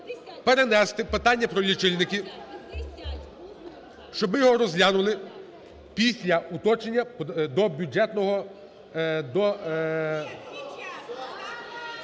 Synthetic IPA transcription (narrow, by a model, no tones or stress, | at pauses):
peɾenɛst̪ɪpɪt̪ɑnʲːɐpɾɔlʲit͡ʃɪlʲnɪkʲɪ | ʃt͡ʃɔbɪjɔɦɔɾɔzlʲanʊlˠɪ | pʲisʲlʲɐut̪ɔt͡ʃenʲːɐd̪ɔbʲjud͡ʒɛt̪nɔɦɔ | d̪ɔ